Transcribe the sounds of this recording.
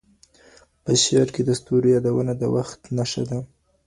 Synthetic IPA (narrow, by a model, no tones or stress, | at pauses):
pəʃeɾked̪əst̪oɾjɑd̪awənad̪əwaxt̪naʃa̰d̪a